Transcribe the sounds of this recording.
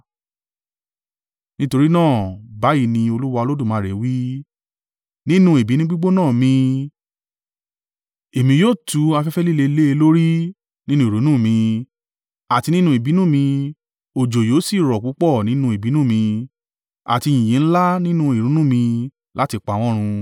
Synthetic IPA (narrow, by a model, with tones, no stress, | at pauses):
nĩ˦to˧ɾi˦nãː˦˨ba˨˦ji˦˧˨nĩ˧o˧lu˦wa˧o˧lo˦dũ˦˨mãː˨˧˦ɾɛ˨˦wi˦ | nĩ˦nũ˧˦e˨bi˨˦nĩ˦ɡ͡bi˦ɡ͡bo˦nãː˦˨mĩ˧ | e˨mĩ˧joː˦˨tu˨˦a˧fɛ˦fɛ˦li˦le˧le˦e˧lo˦ɾi˦ | nĩ˦nũ˦i˨ɾo˨˦nũː˦˨mĩ˧ | a˨ti˧nĩ˦nũ˦e˨bi˨˦nũ˦˨mĩ˧ | o˨d͡ʒo˨joː˨˦si˦˨ɾɔ˨k͡pu˨˦k͡pɔ˦˨nĩ˨˦nũ˧˦e˨bi˨˦nũ˦˨mĩ˧ | a̰˨ti˧jĩ˨jĩ˨n̩˦la˦nĩ˦nũ˦e˨ɾũ˨˦nũ˦˨mĩ˧ | la˦ti˧k͡pa˨˦w̃ɔ̃˦ɾ̃ũ˧